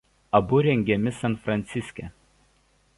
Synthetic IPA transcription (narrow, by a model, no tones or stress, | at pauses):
ɐbʊɾʲɛŋʲɡʲɛmʲɪsɐnfɾɐnʲt̪sʲɪsʲkʲɛ